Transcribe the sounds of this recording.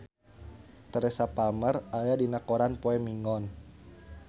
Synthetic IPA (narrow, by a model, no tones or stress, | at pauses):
t̪əɾɛsapalmərajadinakoɾanpoɛmiŋɔn